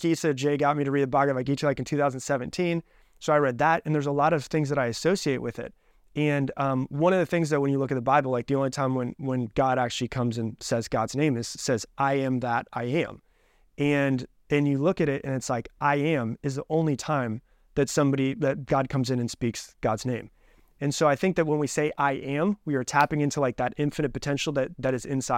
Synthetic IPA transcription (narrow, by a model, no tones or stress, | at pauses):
isɛd͡ʒeɪɡɑt̚miɾɨɹid̚əbɑɡʌvaɪɡit͡ʃɨlaɪkn̩tʰʉθaʊznd̩sɛvɨ̃ntʰĩn | soʊaɪɹɛd̪̚ðəɾɨ̃nðə˞zəlɔɾʌv̥θɪ̃ŋzðəɾaɪɨsoʊsieɪt̚wɨðɪ̰t̚ | ɨ̃nʌ̃mwʌ̃ɾ̃ʌvðɨθɪ̃ŋzðɨt̚wɨ̃njɨlʊkɨt̪̚ðəbaɪbl̩ˠlaɪk̚ðiõʊ̃nlitʰãɪ̃mwə̃nwə̃nɡ̥ɑɾæk̚t͡ʃʉl̩ˠikʰʌ̃mzɨ̃nsɛzɡɑdz̥nẽɪ̃mɨz̥sɛzʔaɪɨ̃mðəɾaɪɨ̰̃m | ɨ̃n | ɨ̃njɨlʊkɨɾɪɾɨ̰̃nɨtslaɪkʔaɪɨ̃mɨzðiʔõʊ̃nlitʰãɪ̃m | ðɨtsʌ̃mbɑɾiðɨt̚ɡ̥ɑd̚kʰʌ̃mzɨ̃nɨ̃nspiksɡ̥ɑdznẽɪ̃m | ɨ̃nsoʊaɪθɪ̃ŋk̚ðɨt̚wə̃nwiseɪʔaɪʔɨ̃mwiə˞tʰæpɪ̃ŋɪ̃ntʰulaɪk̚ðɨɾʔɪ̃ɱfɨnɨt̚pɨtʰɛ̃nʃl̩ˠðɨt̪̚ðɨɾɨzɪ̃nsaɪ